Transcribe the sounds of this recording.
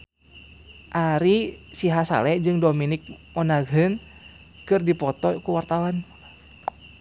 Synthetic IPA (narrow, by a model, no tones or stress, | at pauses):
ʔaɾisiɦasa̰lɛd͡ʒɨŋdominik̚mɔnaɡɨn | kɨrdipɔt̪ɔkuwart̪awan